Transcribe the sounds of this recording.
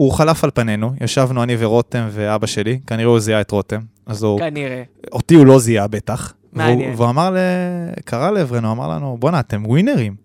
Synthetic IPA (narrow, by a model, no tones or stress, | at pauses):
uχalafalpane̞nujʔaʃavnuanive̞ʁo̞t̪e̞mveabaʃe̞likaniʁeuziaetʁo̞te̞m | azuneo̞t̪iulo̞ziabe̞taχ | vuveuamaʁlekʰaʁaleːvʁenuama̰ʁla̰nubo̞naːt̪e̞mɡwine̞ʁim